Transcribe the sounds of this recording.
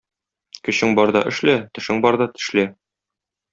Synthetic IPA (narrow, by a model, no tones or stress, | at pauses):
kɵ̆ɕɘŋbɒɾd̪ɑ̰ʔɘ̆ʃlæt̪ɘ̆ʃɘŋbɒɾd̪ɑt̪ɘ̥̆ʃlæ